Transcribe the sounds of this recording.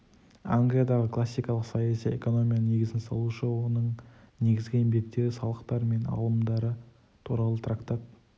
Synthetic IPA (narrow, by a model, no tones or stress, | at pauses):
a̰ŋɡlʲijad̪ɑʁəkʰlˠasːijkɑlˠəqsɑjasije̞̰ko̞no̞mʲijanəne̞ɡʲɪzɪnsɑlˠuʃəwonəɴ | ne̞ɡʲɪzɡʲɪɪmbe̞kt̪ːe̞ɾɪsɑlˠəqt̪ɑɾme̞nɑ̰lˠəmd̪ɑɾə | t̪ʰuɾɑlˠət̪ʰrakt̪ɑt̪̚